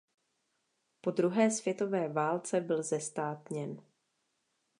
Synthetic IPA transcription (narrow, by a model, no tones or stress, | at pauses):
po̞d̪ɾuɦɛːsvjɛt̪o̞vɛːvaːlt͡sɛbɪlzɛst̪aːt̪ɲɛn